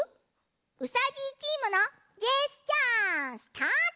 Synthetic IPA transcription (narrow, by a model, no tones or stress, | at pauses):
usat͡ɕit͡ɕiməna | d͡ʒest͡ɕãst̪ʰã